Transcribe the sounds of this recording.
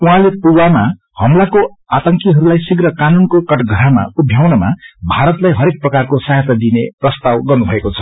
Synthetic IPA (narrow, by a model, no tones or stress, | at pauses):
uɦãlepruwama | hʌmlakoat̪ʌŋkiɦʌɾulajsiɡrʌkanunkokʌʈɡʱʌɾama̰ubʱjawnʌma̰bʱaɾʌt̪lajɦʌɾek̚prʌkarkosaɦet̪ad̪ineprʌst̪awɡʌrnubʱʌekot͡sʰʌ̥